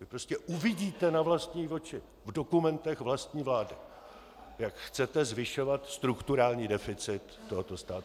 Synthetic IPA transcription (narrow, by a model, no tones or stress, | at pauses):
vɪpɾo̞scɛʔuvɪɟiːt̪ɛnavlast̪ɲiːvo̞t͡ʃɪ | vdo̞kumɛnt̪ɛxvlast̪ɲiːvlaːdɪ | jakxt͡sɛt̪ɛzvɪʃo̞vat̪st̪ɾukt̪uɾaːlɲiːdɛfɪt͡sɪt̪ːoɦot̪o̞st̪aːt̪